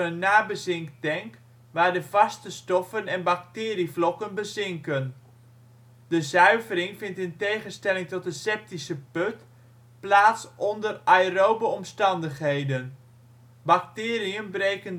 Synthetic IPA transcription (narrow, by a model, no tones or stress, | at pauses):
ənːaːbəzɪŋktɛŋk | ʋaːɹdəvɑstəstɔfənɛnbak̚tɪːriflɔkənbəzɪŋkən | d̥əzœɥvərɪŋvɪntɪntejχənstɛlɪŋtɔt̚dəsɛp̚tisəpøt | plaːtsʔɔndərajrowbəɔmstɑndəχɦejdən | baktɪːriənbrejkən